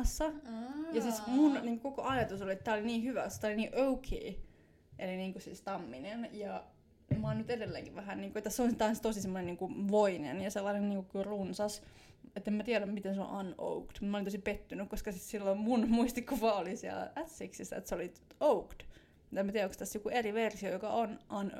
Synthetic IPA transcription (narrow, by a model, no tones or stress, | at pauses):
ɑsːɑjɑsiːsmunniːŋkokokoʔɑjɑt̪usoliet̪t̪æːoliniːhyʋæost̪æoliniːʔoukʰḛi | ʔeliniːŋkusiːst̪ɑmːinenjɑ | mɑnnyt̪edelːḛːŋkiʋʋæhænniːŋkuet̪ːæseonsit̪ɑnst̪osisemːoneniːŋkuʋoinḛnjɑselːɑinenniːŋkukkyrunsɑs | et̪ːemæt̪iædæmmit̪enso̰ʔɑno̰ukt̪mt̪mɑolint̪osipet̪ːynykkoskɑsit̪silːomunmuist̪ikkupɑolisiæ̰læ̰ʔæt̪siksisːæ̰ḛt̪seoli | oukt̪ | mut̪emæt̪iɛoŋkst̪æsjokueriʋersiojokɑonʔɑn